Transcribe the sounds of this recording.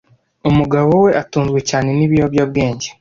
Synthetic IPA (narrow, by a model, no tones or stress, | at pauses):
umuɡaβo̞we̞ʔatuːnzɡwe̞caːne̞niβijobjob̚ɡe̞ːɲɟe